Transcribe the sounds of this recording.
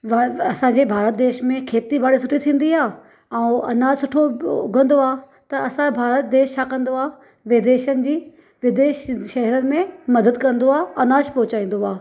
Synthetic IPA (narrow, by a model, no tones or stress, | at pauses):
ʋɐsãɲd͡ʑebʱaːɾət̪̚d̪eːʃmẽkʰeːt̪ibʱaːɽesʊʈʰit̪ʰĩːn̆d̪iaː | ɛ̃ɐ̰naːsʊʈʰoʊ̰ɡʱə̃nd̪oaː | t̪ɐɐsãbʱaːɾət̪d̪eːʃt͡ɕʰakɐ̃nd̪oaː | ʋɪd̪eːʃənɪ̆d͡ʑiː | ʋɪd̪eːʃʃɐɦɛɾənɪ̆mẽmɐd̪əd̪kɐ̃nd̪oaːɐnaːʃpɐɦʊt͡ɕaːĩːn̆d̪oaː